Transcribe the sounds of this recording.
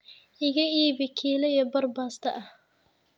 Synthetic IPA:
ʔɪɣɐiːβɪkʰiːlɐjɐbɐrbaːst̪ʰɐʔɐh

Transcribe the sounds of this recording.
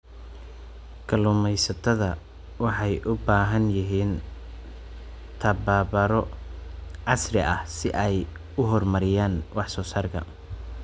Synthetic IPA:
kʰɐlʊmɛjsɐt̪ʰɐðɐ | wɑħɑjʔʊbaːɦɐnjɪɦiːn | t̪ʰɐbaːbɐɾɔ | ʕɑsrɪʔɐhsɪʔɛj | ʊɦɔrmɐɾɪjaːnwɑħsɔːsaːrkʰɐ̰

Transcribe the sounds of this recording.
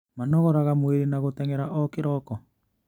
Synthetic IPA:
manɔɣɔɾaɣamweɾenaɣotɛŋɛɾaʔɔkeɾɔkɔ

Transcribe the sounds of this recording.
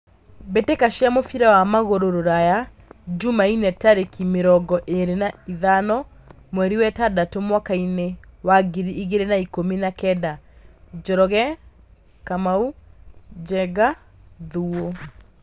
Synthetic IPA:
betekaʃiamofiɾawamaɣoɾoɾoɾaja | d͡ʒumainɛtaɾekimeɾɔɡɔʔeɾenaiðanɔ | mwɛɾiwɛtadatomwakainewaɡiɾiʔiɣeɾenaikominakɛdad͡ʒɔɾɔɣɛ | kamau | d͡ʒɛɡa | ðuo

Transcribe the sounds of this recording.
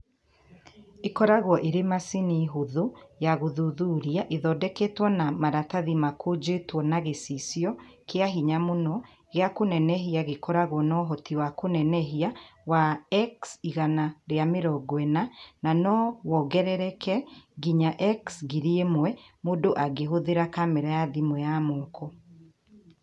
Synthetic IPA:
ekɔɾaɣwɔʔeɾemasiniɦoðojaɣoðuðuːɾiaʔeðɔdɛketwɔnamaɾataðimakod͡ʒetwɔnaɣesisjɔkeaɦiɲamonɔ | ɣeakonɛnɛɦiaɣekɔɾaɣwɔnɔɦɔtiwakonɛnɛɦiawaɛksiɣanaɾeameɾɔɡwɛnananɔwɔɡɛɾɛɾɛkʰɛɡiɲaʔɛksɡiɾiemwɛmodoʔaɡeɦoðeɾakamɛɾajaðimwɛjamɔːkʰɔ

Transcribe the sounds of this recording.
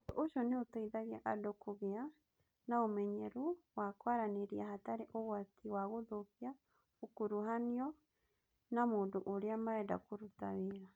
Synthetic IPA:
toʔoʃoneotaiðaɣeaʔadokoɣea | naomɛɲɛɾowakwaɾaneɾiahataɾeʔoɣwatʰiwaɣoðopia | okoɾuɦaniɔ | namoːndoʔoɾeamaɾɛnda̰koɾuta̰weːɾa

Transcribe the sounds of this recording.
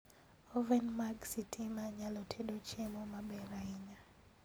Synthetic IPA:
ovɛnmaɡsitʰimaɲalotʰedot͡ʃemomabɛɾaiɲa

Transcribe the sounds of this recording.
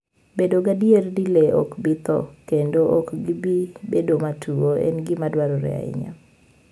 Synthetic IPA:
bedoɡadierdileɔ̰kbit̪ɔ̰kendoʔɔkɡibibedomatʰuoɛ̰nɡɪmadwaɾoɾɛ̰a̰ɪ̰ɲa̰

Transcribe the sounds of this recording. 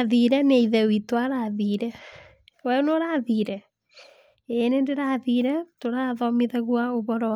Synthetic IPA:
aðiɾɛneiðɛwitwaɾaðiɾɛ | wɛnoɾaðiɾɛ | enendeɾaðiɾɛtoɾaðɔmeðɛɣwaoβɔɾɔ

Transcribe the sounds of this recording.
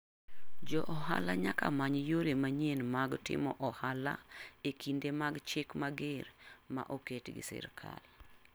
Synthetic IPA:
d͡ʒɔʔɔha̰laɲaka̰maɲjoɾemaɲenmaɡtɪ̰mɔʔɔhala̰ekʰindemaɡt͡ʃɪkmaɡɪɾma̰ʔoketɡɪ̰sɪ̰rkʰa̰l

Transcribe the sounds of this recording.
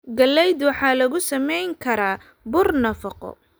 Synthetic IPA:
ɡɐlːɛjd̪wɑħɑːlɐɣʊsɐmɛjŋkʰɐɾaː | bʊrnɐfɑqɔ̰

